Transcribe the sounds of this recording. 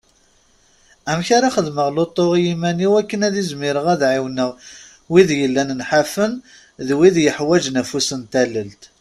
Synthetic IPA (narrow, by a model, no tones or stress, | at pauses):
æmçaɾaχəðməʁlot̪ˤːoʁjimæniwækːənæðizmɪɾəʁæðʕiwnəʁ | wiðjəlːænənħafən | ðwiðjəħwæd͡ʒnæfusənt̪æləlt̪